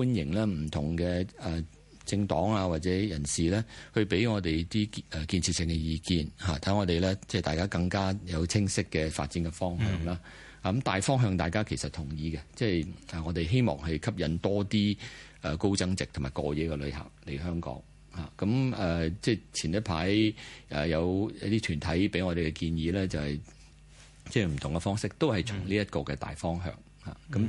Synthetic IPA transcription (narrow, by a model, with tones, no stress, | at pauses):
uː˥njɪ˨˩ŋlɛː˥m̩˨˩t̪ʰʊ˨˩ŋkɛː˧ɛː˨˩ | t͡sɪ˧ŋt̪ɔː˨˥ŋaː˧waː˨t̚t͡sɛ˨˥jɐ˨˩nsiː˨lɛː˥hɵ˧ɥpe˨˥jŋɔː˨˧t̪e˨jt̪iː˥ɛ˨kiː˧nt͡sʰi˨˧tsɪ˨ŋkɛ˧jiː˧kiː˧nha̰ː˨˩t̪ʰɐ˨˥ŋɔː˨˧t̪e˨˩jlɛː˥t͡sɛː˥˩t̪aː˨jkaː˥kɐ˧ŋkaː˥jɐ˨˧wt͡sʰɪ˥ŋsɪ˥kːɛ˧fa̰ː˧t̚t͡siː˨˥nkɛ˧fɔː˥ŋɦœ̰ː˧ŋlaː˥ | ɐ˨˥mt̪aː˨jfɔː˥ŋɦœː˧ŋt̪a̰ː˨jkaː˥kʰe˨˩jsɐ˨t̪ʰʊ˨˩ŋjiː˨˧ɡɛ˧t͡sɛː˥jɛː˨˩ŋɔː˨˧t̪e˨jɦe˥jmɔ̰ː˨˩ŋɦɐ˨jkʰɐ˥p̚jɐ˨˧nt̪ɔː˥t̪iː˥ʔɛː˨˩ko˥wt͡sɐ˥ŋt͡sɪ˨k̚t̪ʰmaː˨˩jkɔː˧jɛː˨˥kɛ˧lɵ˨˧ɥha̰ː˨p̚le˨˩jɦœː˥ŋkɔ̰ː˨˥ŋ | haː˨˩kɐ˨˥mɛː˨t͡sɛː˥˩t͡sʰiː˨˩nɐ˥pʰaː˨˥jʔɛː˨˩jɐ˨˧wjɐ˧˥t̪iː˥t̪ʰyː˨˩nt̪ʰɐ˨˥jpe˨˥jŋɔː˨˧ɾe˨jkɛ˧kiː˧njiː˨˧lɛː˥t͡sɐ˨whɐ˨j | t͡sɛː˥˩m̩˨˩t̪ʰʊ˨˩ŋkɛ˧fɔː˥ŋsɪ˥k̚t̪o˥whɐ˨jt͡sʰʊ˨˩ŋliː˥jɐ˥t̚kɔː˧kɛ˧t̪a̰ː˨jfɔː˥ŋɦœ̰ː˧ŋ | ha̰ː˨kɐ˨˥m